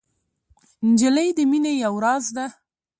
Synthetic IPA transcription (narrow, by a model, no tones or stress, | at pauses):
nd͡ʒələjd̪əminejawɾɑzd̪a